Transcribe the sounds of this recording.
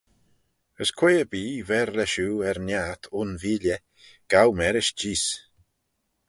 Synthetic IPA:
əskʰweːəbiːvɛɾlɛʃuːɛɾnaːt̪ʰʊnviːljə | ɡ̥awmɛɾɪʃd͡ʒiːs

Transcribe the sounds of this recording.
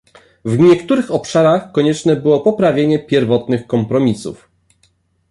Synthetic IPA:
vɲɛkt̪uɾɘxɔpʂaɾaxkɔɲɛt͡ʂnɛbɘwɔpɔpɾavʲjeɲɛpʲjɛɾvɔt̪nɘxkɔmpɾɔmʲisṵf

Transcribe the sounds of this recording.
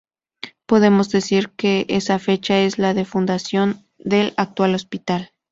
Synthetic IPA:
po̞ðe̞mo̞zðe̞siɾke̞ʔesafe̞t͡ʃae̞zlaðe̞fund̪asjo̞n | d̪e̞lak̚t̪walo̞spit̪al

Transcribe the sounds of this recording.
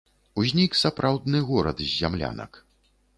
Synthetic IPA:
uzʲnʲiksapɾʔawd̪nɨɣɔɾɐd̪zʲːamlʲa̰nɐ̰k

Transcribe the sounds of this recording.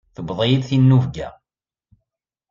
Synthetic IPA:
θəbðˤjid̪θinːuvɡæ̰

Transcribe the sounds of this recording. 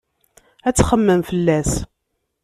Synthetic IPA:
æt͡sːχəmːəmfəlːæs

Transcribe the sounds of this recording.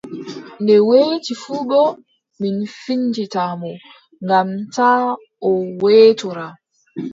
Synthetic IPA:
ndɛweːtifuːɓɔ | minfiɲd͡ʒitamɔ | ŋɡamtaː | ɔweːtɔɾa

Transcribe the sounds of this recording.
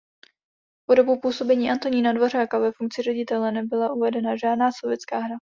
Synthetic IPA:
po̞do̞bupuːso̞bɛɲiːʔant̪o̞ɲiːnadvo̞r̝aːkavɛfuŋk̚t͡sɪrɛɟɪt̪ɛlɛnɛbɪlaʔuvɛdɛnaʒaːdnaːsovjɛtt͡skaːɦɾa

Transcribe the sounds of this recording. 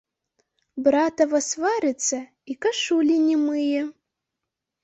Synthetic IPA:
bɾat̪ɐvɐsvaɾʲɪt̪sɐ | ikɐʂulʲinʲimɨjɛ

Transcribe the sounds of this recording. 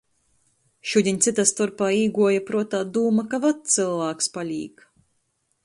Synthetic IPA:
ʃuːd̪ʲiɲʲt̪sit̪ast̪uɾpaːiːɡuɔjapɾuɔt̪aːd̪uːmakavat̪t̪sɨlˠvaːkspalʲiːk

